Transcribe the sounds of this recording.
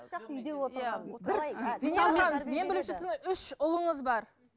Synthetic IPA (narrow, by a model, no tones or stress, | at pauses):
oja | veneɑnzme̞nbɪlɪmʃɪsɪzʏʃʊlˠəɴəzbɑɾ